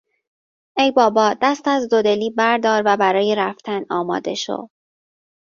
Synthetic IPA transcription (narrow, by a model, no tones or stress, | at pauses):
ʔejbɒːbɒːd̪̥æst̪æzd̪o̞d̪e̞liːbæɾd̪ɒːɾvæbæɾɒːjeɾæft̪ʰænɒːmɒ̰ːd̪e̞ʃo̰d